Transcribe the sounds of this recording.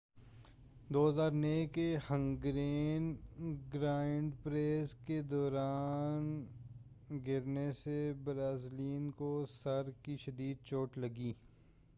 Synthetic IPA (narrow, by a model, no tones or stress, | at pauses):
d̪oːɦzaːɾneːkehə̃ŋɡɾeːnɡɾaːɪɳɖpɾeːsked̪ɔːɾaːn | ɡɪɾnesebɾaːzliːnkosɐɾkiʃɐd̪iːd̪̚t͡ʃoːʈlɐɡiː